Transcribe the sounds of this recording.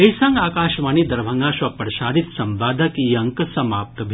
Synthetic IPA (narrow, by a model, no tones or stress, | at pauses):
esɐŋɡaːkaːʃʋaːnid̪ɐɾʋʱɐ̃ŋɡaːʃʋɐpɐɾʃaːɽit̪sɐmʋaːd̪ʱɐkiːɐŋksɐmaːp̚t̪ɐbʱ